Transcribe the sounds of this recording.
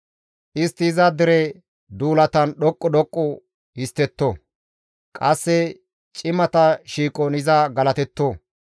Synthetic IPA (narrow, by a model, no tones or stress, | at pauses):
ʔɪst̪ːɪːzad̪ɪɾɛ | d̪uːlɐt̪ɐnɗɔkʼːɔdɔkʼːɔ | hɪst̪ːɛt̪ːo | kʼɐsːɛ | t͡ʃʼɪmɐt̪ɐʃiːkʼɔnɪzɐɡɐlɐt̪ɛt̪ːoː